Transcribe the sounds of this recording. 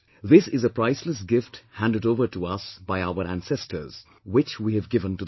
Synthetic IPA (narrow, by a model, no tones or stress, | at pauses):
ðɪsɪzəpɾaɪsləs̬ɡɪfʈhæ̃nɖɨɖoʊvəɾʈuʌsbaɪaʊəɾæ̃nsɛstʰə̰˞z̥ | wɪt͡ʃwiːɨvɡɪvə̃ntud̪